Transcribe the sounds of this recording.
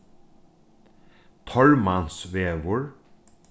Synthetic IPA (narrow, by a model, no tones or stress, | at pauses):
t̪ʰɔɹmansʋeːʋʊɹ